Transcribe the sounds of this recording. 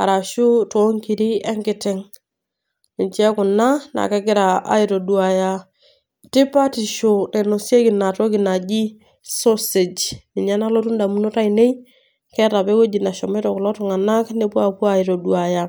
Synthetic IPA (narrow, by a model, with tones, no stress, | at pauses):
a̰˨ɾa˨ʃu˦tɔ˦ŋki˨ɾi˦ɛ˦ŋkɪ˦tɪ˦ŋ | ɪ˨nt͡ʃɛ˦kʊ˨na˦na̰˨kɛ˦kɪ˦ɾa˨a̰˦i˨ɾo˨du˨a˨ja˦ | tɪ˦pa˦ti˨ʃo˨ne˨no˨sje˦kɪ˨na˨to˦kɪ˨na˨d͡ʒi˦ | so˦se˨d͡ʒɪ˨ɲa˦na˦lo˦tu˦nda˨mu˦no˦ta˦ine˦j | kɛ˦ɾa˨pe˦ko˦d͡ʒi˨na˨ʃɔ˨mɛ˦tɔ˨kʊ˨lɔ˦tʊ˨ŋa˨na˦kne˦pwa˨pwa˨i˨ɾo˨dua˨ja˦